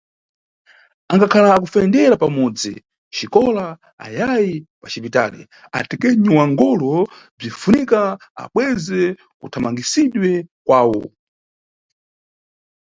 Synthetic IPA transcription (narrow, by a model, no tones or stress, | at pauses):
aŋɡakʰalakufɛndɛɾapamɔd͡zḭ | t͡ʃikɔla | a̰jajipat͡ʃipita̰lḭ | a̰tɛkɛɲiwaŋɡɔlɔ | b͡ʐifunikaa̰ɓwɛzɛ | kṵtʰamaŋɡisiɗwɛkwaːwɔ̰